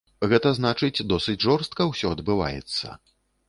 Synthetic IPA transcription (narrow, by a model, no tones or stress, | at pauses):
ɣɛt̪ɐznat͡ʂɨt͡sʲd̪ɔsɨt͡sʲʐɔrst̪̚kɐwsʲɔɐd̪bɨva̰jɛ̰t̪sːɐ̰